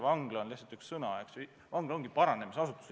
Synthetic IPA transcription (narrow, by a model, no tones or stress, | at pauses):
vɑŋɡ̥lo̞nliht̪sɑlt̪ykssɤnɑeks | vɑŋɡ̥lo̞ŋɡ̥ipɑɾɑne̞misɑsut̪ːˑu̥s